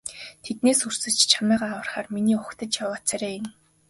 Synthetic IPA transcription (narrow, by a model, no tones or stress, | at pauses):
t̪ʰet̪̚neːsur̥sɘ̆ɮt͡ɕt͡ɕʰamæːʁaːwə̆rχaːrminiːʊkt̪ə̆t͡ɕjawaːt͡sʰaɾeːjɪ̆n